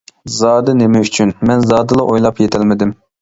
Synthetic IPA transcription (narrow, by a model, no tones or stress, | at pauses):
zɑːd̪ɨnɪmɛyt͡ʃʰynmɛnzɑːd̪ɨlˠɑʔojlˠɑpjet̪ʰɛlmɪd̪ɪm